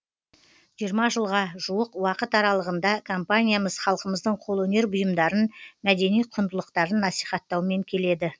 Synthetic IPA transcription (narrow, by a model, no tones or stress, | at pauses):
ʒijəɾmɑʒəlˠʁɑʒuəqwɑqət̪ɑɾɑlˠəʁənd̪ɑkʰompanʲijaməzχɑlˠqəməzd̪əɴqʰolˠwɵne̞ɾbʊjəmd̪ɑɾənmæd̪e̞nijqʰʊnd̪əlˠəqt̪ɑɾənːɑsijχɑt̪ːɑwme̞ŋkʲʰe̞le̞d̪ɪ